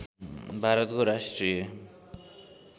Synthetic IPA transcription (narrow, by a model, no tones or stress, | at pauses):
bʱaɾɔt̪ɡoɾaʃtɾie